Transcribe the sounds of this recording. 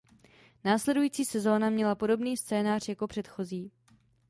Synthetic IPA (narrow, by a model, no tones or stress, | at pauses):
naːslɛdujiːt͡siːsɛzo̞ːnamɲɛlapo̞do̞bniːst͡sɛːnaːr̝jako̞pr̥ɛt̪xo̞ziː